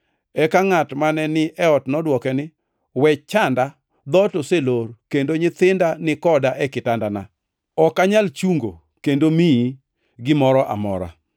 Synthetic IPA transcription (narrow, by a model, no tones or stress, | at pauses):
ɛkaŋatmanɛnɪʔɛɔtnɔdwɔkɛnɪ | wɛt͡ʃanda | d̪ɔtoseloɾkendoɲɪt̪ɪndanɪkɔdaʔɛkɪtandana̰ | ɔkaɲalt͡ʃuŋɡo̰ | kendomii | ɡɪmɔɾɔʔa̰mɔ̰ɾa̰